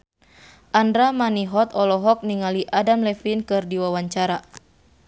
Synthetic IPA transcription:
ʔandɾamaniɦɔt̪ɔlɔɦɔk̚niŋaliʔadamlɛfinkɨrdiwawaɲt͡ʃaɾa

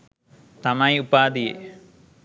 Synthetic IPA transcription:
t̪ɐmajupaːd̪ijḛ

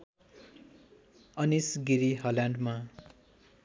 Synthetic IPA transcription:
ʌnisɡiɾiɦʌlãɳɖma

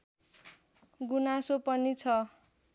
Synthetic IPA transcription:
ɡunasopʌnit͡sʰʌ

